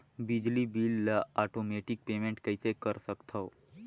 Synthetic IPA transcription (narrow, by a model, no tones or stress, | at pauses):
bid͡ʒlibilːaaʈomeʈik̚pemẽɳʈkəisekəɾsəkt̪ʰəo